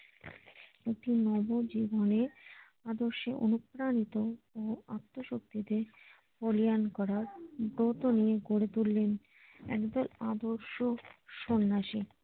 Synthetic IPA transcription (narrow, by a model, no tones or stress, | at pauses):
ek̚ʈinɔbod͡ʑibone | ad̪oɾʃeʔo̰nupɾanit̪oːat̪ːoʃok̚t̪id̪e | polijankɔɾaɾbɾot̪onieɡoɽet̪ulːen | ɛ̰kd̪ɔlad̪oɾʃoʃonːaʃi